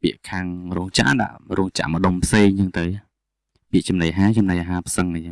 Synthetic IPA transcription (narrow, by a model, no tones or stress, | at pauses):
piəʔkʰaːŋrɔːŋt͡ɕa̰ʔɗa̰ʔrɔːŋt͡ɕa̰ʔmə̆ɗompʰseːŋt͡ɕəŋt̪ɨw | piəʔt͡ɕɑmnajʔaɦaːt͡ɕɑmnajʔaːɦaːpʰsəŋnɨa